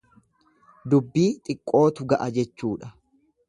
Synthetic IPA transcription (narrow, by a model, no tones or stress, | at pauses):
d̪ʊbːiːt̪ʼɪkʼːo̞ːt̪ʊɡɐʔɐd͡ʒɛt͡ʃːuːᶑɐ